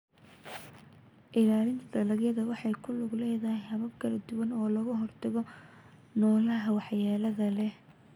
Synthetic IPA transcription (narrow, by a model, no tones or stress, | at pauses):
ʔɪlaːlɪnd̪ɐlɐɡjɐðɐwɑħɑjkʰʊlʊɡlɛːðɐhɪhɐβɐbkʰɐlɐd̪ʊwɐnɔːlɐɣɐɦɔrt̪ʰɐɣɔ | nɔːlɐɦɐwɑħjaːlɐðɐlɛ